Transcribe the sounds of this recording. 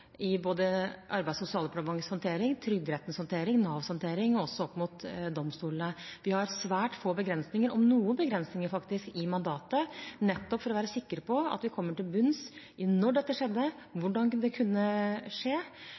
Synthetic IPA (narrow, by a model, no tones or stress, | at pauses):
ɪboːd̪əʔɑɾbæɪsʊsɪɑːləpʰɑʈmɑŋəshɔnt̪ʰeːɾɪŋt̪ʰɾʏɡd̪ɾɛt̪n̩shɔnt̪ʰeːɾɪŋnɑːʋsɔnt̪ʰeːɾɪŋɔɔsːɔɔpːmʊt̪d̪ɔmːst̪uːlnəʋɪhɑɾsʋæːʈfoːbəɡɾɛnsnɪŋəɾɔmnuːənbəɡɾɛnsnɪŋəɾfɑkt̪ɪskɪmɑnd̪ɑːt̪ənɛt̪ːɔpːfɔɾɔʋæːɾəsɪkːəɾpʰɔɑ̰t̪ʋɪkʰɔmːəʈɪlbʉns | ɪnɔɖɛt̪ːəʂɛd̪ːə | ʋʊɖɑnd̪ɛkʰʉnːəʂeː